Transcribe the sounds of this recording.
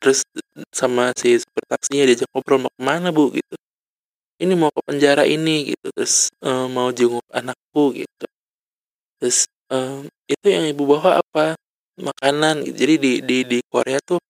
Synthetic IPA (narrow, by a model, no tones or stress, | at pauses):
t̪əɾʊssamasisə̥pərt̪aksiɲadiad͡ʒakɔbɾɔlmak̚əmanabʊɡḭt̪u | inimaukəpəɲd͡ʒaɾaʔiniɡḭt̪ut̪ɾʊsəmːaud͡ʒuŋʊk̚a̰nak̚buɡḭt̪u | t̪ɾʊs | əm | it̪ujaŋibubawaa̰pa | makananɡḭt̪ud͡ʒadidididiko̰ɾeat̪ʊ